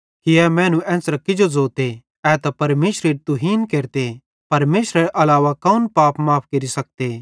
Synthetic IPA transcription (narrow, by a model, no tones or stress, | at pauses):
kiɛːmɛ̃ːnũʔɛ̃ːsɾɐkɪd͡ʒod͡zoːt̪e | ɛːt̪ɐpɐɾmeːʃɾeɾt̪ʊɦiːnkeːɾt̪e | pɐɾmeːʃɾəɾʔɐlaːʋakɐʊnpaːpʰmaːp̚ʰkɐɾisɐk̚t̪e